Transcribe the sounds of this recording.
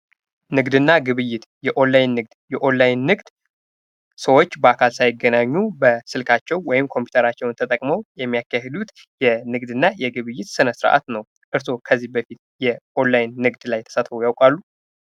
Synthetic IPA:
nɨɡd̪ɨnːaɡɨβɨjːɪt̪jɛʔo̞nlajnːɨɡ̚d̪jɛʔo̞nlːajnːɨɡd̪ | səwo̞t͡ʃːbəakʰalsajɪɡːənaɲːubəsɨlkʰat͡ʃːɛwwɔjɪmkʰo̞mpʰju̥t̪ʰəɾat͡ʃːɛwnt̪ʰət̪ʼəkʼməwjɛmːijakːahed̪ut̪ | jɛnɨɡd̪ɨnːajɛɡɨβɨjːɪt̪sɨnəsɨɾʔa̰t̪nəw | ʔɨɾso̞kʰəzːihbəfit̪̚jɛʔo̞nlajnːɨɡd̪lajt̪ʰə̥sət̪fojawkʼalːu

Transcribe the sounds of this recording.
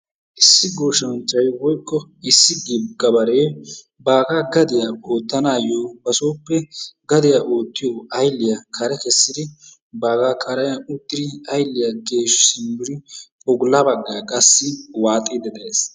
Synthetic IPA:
ʔɪsːɪɡo̞ːʃɐnt͡ʃʼːɐjwɔjkʼːɔɪsːɪɡɪɡɐbɐɾeː | baːɡaːɡɐd̪ɪjaoːt̪ːɐnaːjoːbɐso̞ːpːɛɡɐd̪ɪjaʔo̞ːt̪ːɪjoːʔɐjlːɪjɐkʰɐɾɛkɛsːɪd̪ɪ | baːɡaːkʰʼɐɾɐjɐʊt̪ːɪd̪ɪɐjlːɪjɐɡe̞ːʃsɪmbɪɾɪ | ɔɡlɐbɐɡːɐkʼɐsːɪwaːt̪ʼːɪd̪ɛd̪ɐeːs

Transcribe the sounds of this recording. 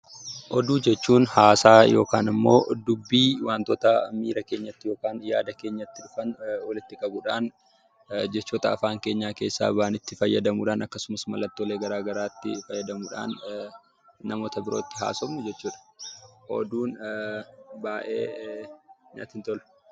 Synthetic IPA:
ʔɔd̪uːd͡ʒɛt͡ʃːuːnhaːsaːjo̞̰ːkaːnɪmːo̰ːd̪ʊbːiːwaːnt̪oːt̪ɐmiːɾɐke̞ːɲːɐt̪ːɪjo̞ːkaːnja̰ːd̪ɐke̞ːɲːɐt̪ːɪᶑʊfɐnɔlɪt̪ːɪkʼɐbʊᶑaːn | d͡ʒɛt͡ʃːoːt̪ɐɐfaːŋke̞ːɲːaːke̞ːsːa̰ːbaːnɪt̪ːɪfɐjːɐd̪ɐmuːᶑaːnɐkːɐsʊmɐsmɐlɐt̪ːoːleːɡɐɾaːɡɐɾaːt̪ːɪfɐjːɐd̪ɐmuːᶑa̰ːnː | ɐmo̞ːt̪ɐbɪɾo̞ːt̪ːɪɦa̰ːsɔbnʊd͡ʒɛt͡ʃːuːᶑɐ̥ʔɔ̰d̪uːn | baːʔe̞̰ː | ɲa̰ːt̪ɪnt̪ɔl

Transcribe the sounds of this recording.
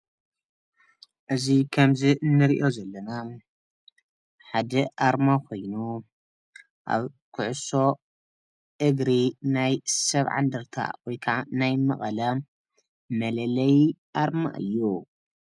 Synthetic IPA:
ʔɨzikʰɐmziɨnːɨɾiʔo̞zɐlːɐna | ħad̪ɐʔaɾmakʰo̞jnu | ʔa̰β | kʰʊʕʊso̞ | ʔɨɡɾinajsɐβʕa̰nd̪ɐɾt̪ʰa̰wɔjkʰaʕanajmɐχʼɐlɐ | mɐlɐlɐjʔaɾma̰ʔɨ̰jːu

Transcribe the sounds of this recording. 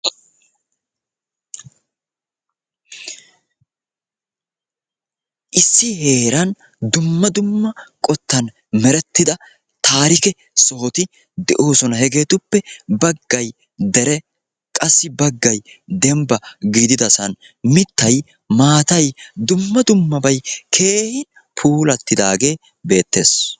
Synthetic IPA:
ʔɪsːɪhe̞ːɾɐn | d̪ʊmːɐd̪ʊmːɐkʼɔt̪ːɐn | mɛɾɛt̪ːɪd̪ɐ | t̪aːɾɪkɛ | sɔhɔt̪ɪ | d̪ɛʔo̞ːsɔnɐhɛɡe̞ːt̪ʊpːɛbɐɡːɐj | d̪ɛɾɛ | kʼɐsːɪbɐɡːɐjd̪ɛmbɐɡiːd̪ɪd̪ɐsɐn | mɪt̪ːɐj | maːt̪ɐjd̪ʊmːɐd̪ʊmːɐbɐjkʰe̞ːhɪn | pʰuːlɐt̪ːɪd̪aːɡe̞ː | be̞ːt̪ːe̞̰ːs

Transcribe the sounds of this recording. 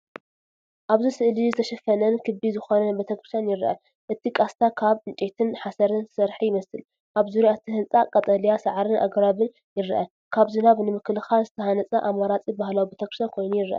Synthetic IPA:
ʔaβzisɨʔlizɨt̪ʰɐʃɐfɐnɐnkʰɨbizɨxo̞nɐbet̪ʰɐkɾɨ̥st̪janjɪɾʔɐ̰ | ʔɨt̪ʰikʼast̪ʰakʰaβɨnt͡ʃʼet̪ʰɨnħasɐɾɨnsɨɾħijɪmɐsɨl | ʔaβzuɾiat̪ʰihɨnt͡sʼakʼɐt̪ʼɐlijasaʕɾɨnʔa̰ɡɾaβɨn | jɪɾʔɐ̰ | kʰaβzɨnaβnɨmɨkɨlɨxalzɨt̪ʰɐhanɐt͡sʼɐʔamːaɾat͡sʼibahlawibet̪ʰɐkɾɨst̪ʰankʰojnujɪɾʔa̰

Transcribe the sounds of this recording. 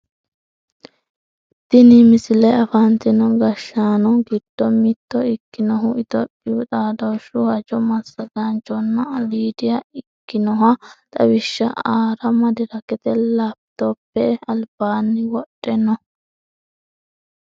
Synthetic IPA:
t̪ːɪnɪmɪsɪlɛɐfant̪ɪnɔɡɐʃːaːnɔɡɪd̪̥ːɔmɪd̪ːɔɪkːɪnɔɦʊɪt̪ɔpʼːɪʊt̪ʼaːd̪ɔʃʊhɐd͡ʒɔmɐsːɐɡɐnt͡ʃːɔnːɐliːd̪ɪjɐɪkːɪnɔɦɐt̪ʼɐwɪʃːɐaːɾɐmɐd̪ɪɾɐkɛt̪ɛlab̚t̪opːɛɐlb̥aːnːɪwɔᶑʼːɛnɔ

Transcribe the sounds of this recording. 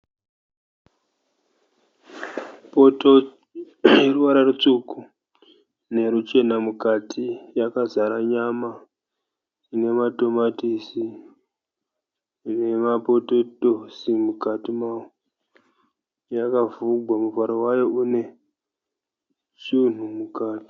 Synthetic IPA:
po̞to̞ | jeruʋaɾarut͡ʂuku | ne̞ɾut͡ʃe̞namukatʰijakazaɾaɲama | ine̞mato̞matisi | ne̞mapo̞to̞tosimukatimaːwo | jakavuɡʱwamuvaɾowajo̞ʔune̞ | t͡ʃun̤umukaːti̥

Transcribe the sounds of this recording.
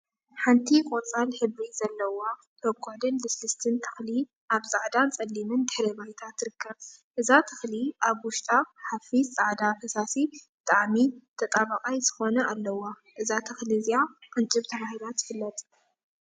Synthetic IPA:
ħant̪ʰikʼot͡sʼalħɨβiz̥ɐlːɐwo | bɐbkʰoʕd̪ɨnlɨslɨst̪ʰɨnt̪ʰɨ̥xli | ʔaβzaʕd̪ant͡sʼɐlːimɨnd̪ɨħɾɐβajt̪ʰat̪ːɨɾɨkʰːɐβʔɨzat̪ʰɨxliʔaβwʊʃt̪ʼaħafit͡sʼaʕd̪afɐsasibɨt̪ʼaʕmit̪ʰɐt̪ʼaβɐkʼajz̥ɨ̥xo̞nɐalːɐwa | ʔɨzat̪ʰɨxliziaqʼɨnt͡ʃʼɨβt̪ʰɐβahilat̪ːɨ̥fɨlːɐt̪ʼ

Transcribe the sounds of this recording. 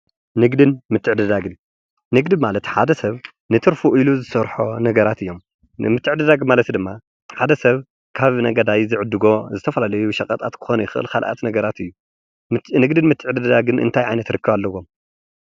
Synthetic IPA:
nɨɡd̪ɨnmɨt̪ʰːɨʕd̪ɨd̪aɡɨn | nɨɡd̪ɨmalɐt̪ħad̪ɐsɐβ | nɨt̪ʰɨɾfuʔiluzɨsɐɾħonɐɡɐɾat̪ɨjːo̞m | mɨt̪ːɨʕd̪ɐd̪aɡmalɐt̪d̪ɨmːa | ħad̪ɐsɐβ | kʰaβnɐɡɐd̪ajzɨʕɨd̪ːɨɡo̞zɨt̪ʰɐfɐlalɐjuʃɐkʼɐt̪ʼat̪kʰɨ̥xo̞nujɪxɨʔɨ̰lkʰalʔa̰t̪nɐɡɐɾat̪ɨjːu | nɨɡd̪ɨnmɨt̪ʰːɨʕd̪ɨd̪ɐd̪aɡɨnʔɨ̰nt̪ʰajʕajnɐt̪ɾɨkʰːɨβalːɐwo̞m

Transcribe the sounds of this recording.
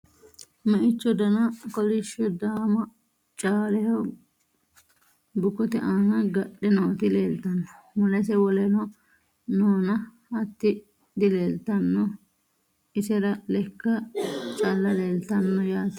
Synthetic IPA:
mɛʔɪt͡ʃːɔd̪ɐnɐkɔlɪʃːɔd̪aːmɐ | t͡ʃʼaːlɛhɔ | bʊkːɔt̪ɛʔaːŋɐɡɐɗːɛnɔɔt̪ɪleːlt̪ɐnːɔ̥mɐlɛs̬ɛwɔlɛnɔ | noːnɐ | ɐt̪ːɪ | d̪ɪleːlt̪ɐnːɔ | ɪsɛɾɐlɛkːɐt͡ʃʼɐlːɐleːlt̪ɐnːɔjaːt̪ɪ̥

